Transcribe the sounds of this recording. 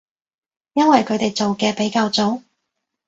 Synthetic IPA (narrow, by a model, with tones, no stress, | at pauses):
jɐ˥nwɐ˨jkʰɵ˨˧ɥt̪e˨jt͡so˨wkɛː˧pe˨˥jkaː˧wt͡so˨˥w